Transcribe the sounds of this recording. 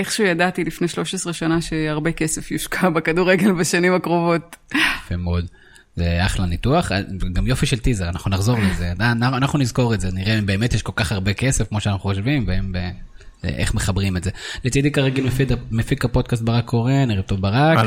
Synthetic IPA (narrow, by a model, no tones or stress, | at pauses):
eχʃuːjadat̪ilifne̞ʃlo̞ʃesʁeʃanaʃeaʁbe̞kesefjuʃkʰabekaduʁeɡe̞lbaʃanimakʁo̞vo̞t̚afemeod̪ | zeaχlanit̪uaχa̰ɡamjo̞fiʃelt̪izeʁanaχnunaχzo̞ʁlezeanaanaχnunizko̞ʁetzeniʁebe̞ːmet̪jɛʃko̞lkaχaʁbekesefkmo̞ʃeanaχuχoʃvimveembḛ | ḛχme̞χabʁimezelet͡sid̪ikaʁeɡilmefidmefikapo̞d̪̚kas̬t̪̚baʁakʰːo̞ʁe̞niʁet̪ovbaʁak